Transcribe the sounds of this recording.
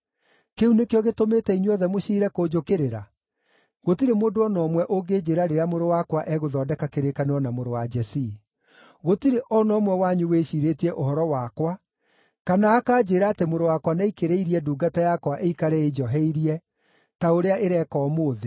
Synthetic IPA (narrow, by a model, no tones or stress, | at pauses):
keunekeɔɣetometɛiɲwɔðɛmoʃiːɾɛkoːd͡ʒokeɾeɾa | ɣotiɾemoːndoɔnɔmwɛʔoɡeːd͡ʒeːɾaɾeɾeamoɾowakwaʔɛɣoðɔːdɛkakeɾekaneɔnamoɾowad͡ʒɛsi | ɣotiɾeʔɔnɔːmwɛwaɲuweʃiɾetiɛʔohɔɾɔwakwa | kanaːkaːd͡ʒeːɾaːtemoɾowakwanaikeɾeiɾiɛduːɡatajakwaʔeikaɾɛed͡ʒɔɦɛiɾiɛ | taoɾeaʔeɾɛkɔːmoːðe